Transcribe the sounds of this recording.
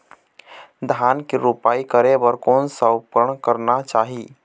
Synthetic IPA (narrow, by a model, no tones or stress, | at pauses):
d̪ʱaːnkiɾupaːikəɾebəɾkoːnsəwpəɾəɽkəɾnat͡ʃaːɦiː